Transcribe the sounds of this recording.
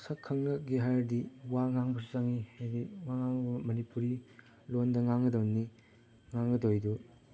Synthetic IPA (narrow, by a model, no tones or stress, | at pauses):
sɐkʰːɐŋnɐk̚ɡiɦajɾdiwaŋaŋbɐsuzaŋiajbiwaŋaŋbɐmɐnipuɾi | londɐŋaŋɐdɐwni | ŋaŋɡɐdojdu